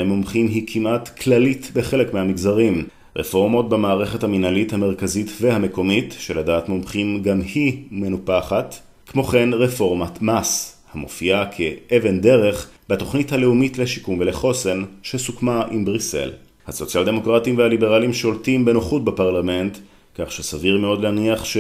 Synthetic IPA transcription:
emomχimɦikʰimʔatkʰlalitbeχe̞lekmehamiɡzaʁim | ʁḛfoʁmo̞tbemaːʁeχe̞thaminalithame̞ʁkazitve̞hame̞ko̞mitʃeladaːtmomχimɡamhime̞nupaχat | kmo̞χe̞nʁefo̞ʁmatmas | hamo̰fiakʰeʔeve̞nde̞ʁe̞χbato̞χnithale̞umitle̞ʃikumveleχo̞se̞nʃesukmaʔimbʁise̞̰l | haso̞t͡siald̪e̞mo̞kʁatimvehalibe̞ʁalimʃo̞ltimbe̞noχut̚bepaʁlame̞nt | kaχʃesaviʁmeo̞d̪leaniaχʃe

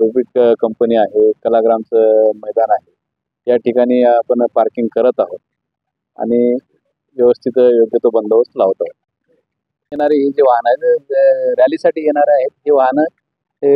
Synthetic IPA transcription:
ɾupiʈkəmpəniːaɦekəlaɡɾamt͡səməjd̪anaɦe | jaʈikaɽ̃iːapəɳpaɾkiŋɡ̚kəɾət̪aɦot̪̚ | a̰ɽ̃i | ʋjəʋəst̪ʰit̪əjoɡjət̪obənd̪ʱəʋəslaʋət̪aɦot̪̚ | jeɽ̃aɾeɦed͡ʑeʋaɦna | ɾjalisaʈiːjeɽ̃aɾəaɦet̪̚ɦeʋaɦnə | ɦe

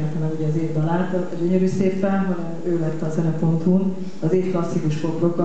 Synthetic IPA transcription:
ɛnt̪ɛmɛkuɟɛːzeːvd̪ɒlaːt̪ | ɟøɲøɾyːseːpːɛnɦɒnɛmøːlɛt̪ːɛːzɛnɛpo̞nt̪hun | ɒzeːfklɒsːikuʃpo̞plo̞kːɒ

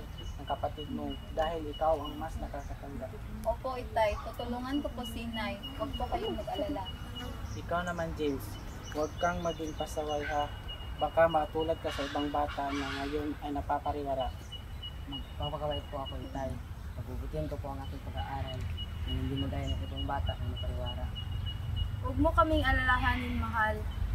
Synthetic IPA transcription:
aŋkapat̪ɪd̪̚modaɦilikawaŋmasnakaasat̪aŋɡa | opoit̪ajt̪ot̪uluŋank̪oposinaj | waɡ̚pokajonkaɡalala | ikawnamand͡ʒɛs | waɡkaŋmaɡiŋpasawajɦa | bakamɐkat̪uːlad̪̚kasɐɪbaŋbaːt̪aʔnaŋɐjonajnɐpapaɾɪwaɾaʔ | mɐɡpaɡ̚pakawalɪt̪̚poɐkoɪt̪aj | nɐɡ̚bubʊt̪ɪnk̪opoʔaŋʔaːt̪ɪŋpɐɡaʔaːɾalnahɪnd̪imod̪aːjonaŋɪbaŋbaːt̪aʔkanapaɾɪwaːɾa | wɐɡ̚mokɐmɪŋʔɐlalaɦanɪŋmɐɦal

